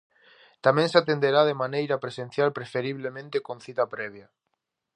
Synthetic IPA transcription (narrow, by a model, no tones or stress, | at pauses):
t̪amẽŋsat̪end̪eɾaðemanejɾapɾesen̟θjalpɾefeɾiβ̞lemẽnt̪ekon̟θit̪apɾɛβ̞ja